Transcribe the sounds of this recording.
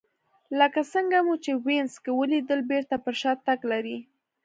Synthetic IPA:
ləkasəŋɡamut͡ʃewenskewəlid̪əlbeɾt̪apəɾʃɑt̪aɡlaɾi

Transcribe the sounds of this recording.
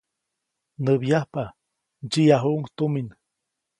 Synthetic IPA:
nəβjahpa | d͡ʒiaɦuʔuŋt̪umin

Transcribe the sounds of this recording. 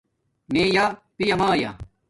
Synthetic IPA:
meːjaːpijɐmãːja̰

